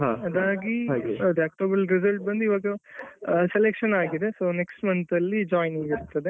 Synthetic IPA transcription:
ɦaɐd̪aːɡiɦeʈ̪aːk̚ʈɐbɐlɾizɐlʈ̚bɐnd̪uiʋaːɡɐ | selekʂɐnaːɡid̪e̞so̞ːneksʈmɐnt̪ɐlːid͡ʒaːjnɐɡiɾt̪ɐd̪e

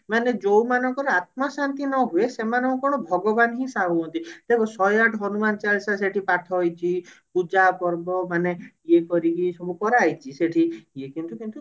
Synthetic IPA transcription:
maned͡ʒowmanɔŋkɔɾɔat̪̚mɔsant̪inɔɦuesemanɔ̃ŋkɔkɔɽ̃ɔbʱɔɡɔbanɦĩsaɦuɦɔnt̪it̪ebɔsɔjaʈʰɔɦɔnumant͡ʃalsaseʈʰipaʈʰɔɦjt͡ʃʰipud͡ʒapɔɾbɔmaneiekɔɾikisɔbukɔɾeajt͡ʃʰiseʈʰiekint̪ukint̪u

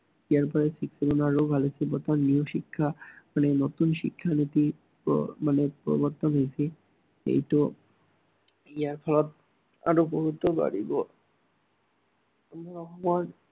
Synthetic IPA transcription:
iaɾpɔɾesikseɡonaɾobʱalesʰibot̪anioʃikʰːamanenot̪unʃḭkʰːanit̪i | manepɾɔ̰boɾt̪onɦejsʰi | ḛjʈo | iaɾfʰɔlot̪̚ | a̰ɾoboɦut̪oba̰ɽibo | amaɾɔɦman

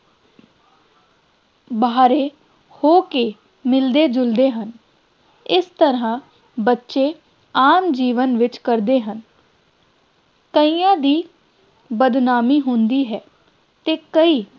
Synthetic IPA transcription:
baːɾeː | hoːke | mɪld̪eːd͡ʒʊld̪eːɦən | ɪst̪əɾãː | bətːʃeː | aːmd͡ʒiːʋənʋɪt͡ʃkəɾd̪eːɦən | kəiːãːd̪iː | bəd̪naːmiːɦʊnd̪iːɦɛː | t̪eːkəiː

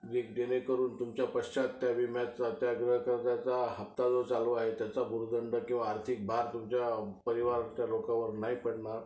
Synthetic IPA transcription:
d͡ʑekd̪enekəɾuːnt̪umt͡ɕjapəɕt͡ɕat̪ːjaʋimjat͡sat̪jaɡɾəɦəkəɾt̪at͡saɦəpt̪ad͡zot͡saluaɦet̪jat͡sabʱuɾd̪əɳɖəkĩw̃ʋaːɾt̪ʰik̚bʱaɾt̪umt͡ɕjapəɾiʋaɾt͡ɕjalokãʋəɾnaipəɽɳaɾ

